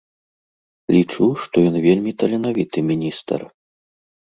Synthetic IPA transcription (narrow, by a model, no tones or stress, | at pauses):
lʲit͡ʂuʂt̪ɔjɔnvʲelʲmʲit̪ɐlʲɛnavʲit̪ɨmʲinʲist̪ɐ̰r